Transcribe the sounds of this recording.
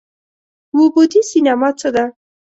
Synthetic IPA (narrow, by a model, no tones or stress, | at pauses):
wubod̪isinamat͡səd̪a